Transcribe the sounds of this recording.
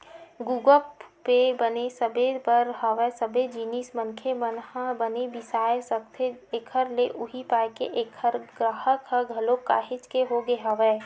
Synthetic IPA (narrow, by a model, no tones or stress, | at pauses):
ɡuːɡəpebɐnesɐbepəɾɦaʋɛsəbʱed͡ʒiːnismə̃nkʰemənhãbənebɪsaːesət̪ʰeeːkʰəɾleʔʊɦipaːjkḛʔekʰəɾɡɾaːɦəkɦəɡʱɐloka̰ːɦɪt͡ʃkeɦoɡeɦaʋɛː